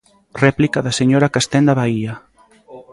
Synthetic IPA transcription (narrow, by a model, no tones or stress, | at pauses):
rɛplikaðaseɲoɾakast̪ɛnd̪aβaia